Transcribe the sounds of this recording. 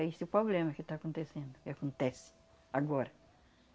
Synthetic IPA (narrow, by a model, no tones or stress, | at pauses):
ɛesɪʊpɾoblẽmɐkɪt̪aːkõnt̪esẽnd̪ʊkɪakõnt̪ɛsɪ̥ | aɡɔɾɐ